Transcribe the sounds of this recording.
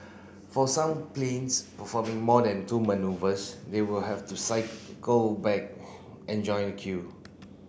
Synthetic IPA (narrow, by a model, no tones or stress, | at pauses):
fɔsãmplẽnspəfɔmĩŋmɔdɛ̃ntumənuvəsdewilɦɛftusaɪkɡolbɛk̚ | ʔɛ̃nd͡ʒɔ̃ɪ̃nəkʰju